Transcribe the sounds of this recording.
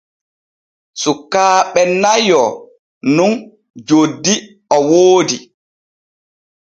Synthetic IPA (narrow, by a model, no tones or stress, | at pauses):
sukːaːɓɛnajɔ | nun | d͡ʒodːi | ɔwoːdi